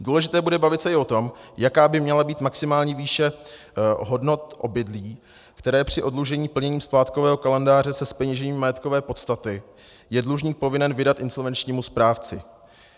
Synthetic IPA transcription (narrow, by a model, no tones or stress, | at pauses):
duːlɛʒɪt̪ɛːbudɛbavɪt̪sɛʔɪʔo̞t̪o̞mjakaːbɪmɲɛlabiːt̪maksɪmaːlɲiːviːʃɛ | ɦo̞dno̞t̪ʔo̞bɪdliː | kt̪ɛɾɛːpr̝̥ɪʔo̞dluʒɛɲiːpl̩ɲɛɲiːmsplaːt̪ko̞vɛːɦo̞kalɛndaːr̝ɛsɛspɛɲiʒɛɲiːmːajɛt̪kovɛːpo̞t̪st̪at̪ɪ | jɛdluʒɲiːk̚po̞vɪnɛnvɪdat̪ʔɪnso̞lvɛnt͡ʃɲiːmuspɾaːft͡sɪ̰